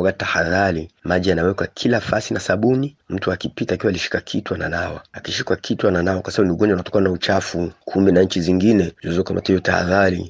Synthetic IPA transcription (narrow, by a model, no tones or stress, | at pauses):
ɔɡatahaðaɾimaʄianawɛkwakʰilafasinasaɓunim̩tuakipitaːkiwaːliʃi̥kakʰitwananawaakiʃikwakʰitwananawakwasaaɓuniuɡɔɲd͡ʒanatɔ̥kawanaut͡ʃafukʰuminaɲ̩t͡ʃiziŋɡinɛzɛzɔkama̰tahijɔtaha̰ðaɾi